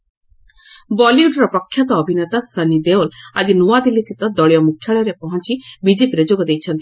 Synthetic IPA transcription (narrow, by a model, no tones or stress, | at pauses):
bɔljuɖɾɔpɾɔkʰːjɔt̪ɔːbʱinet̪asənid̪eɔlad͡ʒinuwad̪ilːisit̪ɔd̪ɔɭjɔmukʰːjaɭɔɾepɔɦɔnt͡ʃibid͡ʒepiɾed͡ʒoɡɔd̪ejt͡ʃʰɔnt̪i